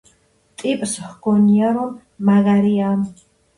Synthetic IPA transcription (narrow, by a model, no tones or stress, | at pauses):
t̪ʼipʼshɡ̥ɔniaɾɔm | maɣaɾiam